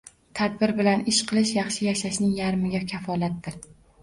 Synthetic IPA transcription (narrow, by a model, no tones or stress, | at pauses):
t̪ʰad̪̚bɪɾbɪlanɪʃqʰɨlˠɪʃjɑχʃɪjaʃaʃnɪŋjaɾmɪɡʲakʲʰafɒlˠat̪̚ːɪɾ